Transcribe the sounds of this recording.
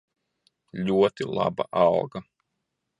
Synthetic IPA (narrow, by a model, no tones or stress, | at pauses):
lʲuɔt̪ilˠa̰ba̰ʔalɡa